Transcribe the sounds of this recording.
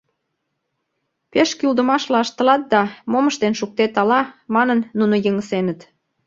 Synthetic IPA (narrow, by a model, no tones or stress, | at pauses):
peʃkyld̪əmɑʃlɑʃt̪ə̆lɑt̪̚d̪ɑmoməʃt̪enʃuk̚t̪et̪ɑlɑmɑnənːunojəŋəsenət̪